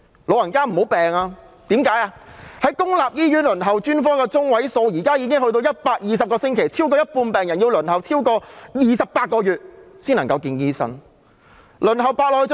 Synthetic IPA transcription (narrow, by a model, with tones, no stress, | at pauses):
lo˨˧wɐ˨˩nkaː˥m̩˨˩ho˨˥wpɛː˨ŋaː˧ | t̪iː˨˥mkaː˨˥jaː˧hɐ˨˥jkʊ˥ŋlaː˨p̚jiː˥jyː˨˥nlɵ˨˩nɦɐ˨˩wt͡ʃyː˥nfɔː˥kɛː˧t͡sʊ˥ŋwɐ˨˥jso˨˧wjiː˨˩kaː˥jiː˨˧k̬ɪ˥ŋhɵ˧jt̪o˧wjɐ˥t̚paː˧k̚jiː˨˧sɐ˨p̚kɔː˧sɪ˥ŋkʰe˨˩jt͡sʰi˥wkɔː˧jɐ˥t̚puː˧npɛː˨˩ŋjɐ˨˩njiː˧wlɵ˨˩nɦɐ˨˩wt͡sʰiː˥wkɔː˧jiː˨sɐ˨p̚pːaː˧t̚kɔː˧jyː˨t̚siː˥nɐ˨˩ŋkɐ˧wkiː˧njiː˥sɐ̰˥n | lɵ˨˩nɦɐ˨˩wpaː˧t̚lɔː˧j